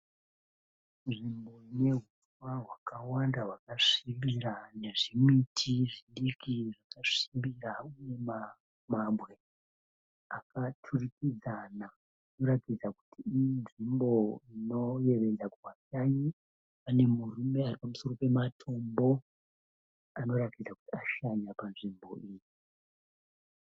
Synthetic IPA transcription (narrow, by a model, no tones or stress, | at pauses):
nʐimbo̞ine̞ɦutwaɦwakawandaɦwakaʂimbiɾane̞ʐimitʰiʐiɗikiʐakaʂimbiɾauje̞ma | mabɣe̞ | akatʰurikid͡zana | no̞ɾatid͡zaku̥tiːjinʐimbo̞ino̞je̞ʋe̞d͡zakukaʃaɲi | ane̞murume̞aripamuso̞ro̞pe̞matʰo̞mbo̞ | ano̞ɾatid͡zakutiaʃaɲapanʐimbo̞̰iːji